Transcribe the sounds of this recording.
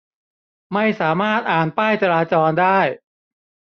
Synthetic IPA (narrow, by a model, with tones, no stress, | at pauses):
ma˥˩jsaː˩˦maː˥˩t̪̚ʔaː˨˩npaː˥˩jt͡ɕa˧ɾaː˧t͡ɕɔː˧ndaː˥˩j